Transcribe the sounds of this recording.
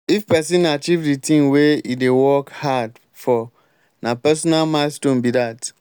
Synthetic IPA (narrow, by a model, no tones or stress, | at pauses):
ifpɛsĩnat͡ʃivditʰĩŋweidewɔkhad | fɔ | nãpɛsɔnalmãɪstõnbidat